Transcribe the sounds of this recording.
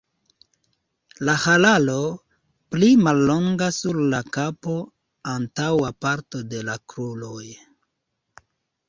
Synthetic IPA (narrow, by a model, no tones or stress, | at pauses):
lahalalo | plimalːo̞ŋɡasuɾlakapo̞ | antawapaɾto̞de̞lakɾuloj